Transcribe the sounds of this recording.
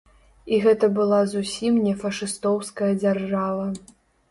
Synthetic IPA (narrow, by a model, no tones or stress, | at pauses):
iɣɛt̪ɐbɨlˠazusʲimnʲɛfɐʂɨst̪ɔwskɐjɐd͡zʲarʐavɐ